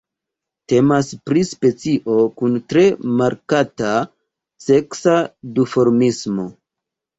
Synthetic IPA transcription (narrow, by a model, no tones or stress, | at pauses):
te̞maspɾispe̞t͡siʔo̞kuntɾe̞maɾkata | se̞ksadufo̞ɾmismo̞